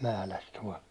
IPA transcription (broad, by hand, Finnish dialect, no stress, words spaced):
mæhlæs tuɒl